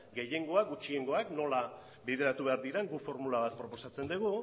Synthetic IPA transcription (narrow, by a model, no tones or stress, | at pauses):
ɡe̞je̞ŋɡo̞aɡut͡ʃieŋɡo̞akno̞la | biðe̞ɾat̪uβe̞aɾðiɾeŋɡufo̞ɾmulaβat̪̚pɾo̞po̞sat͡se̞nd̪eɣu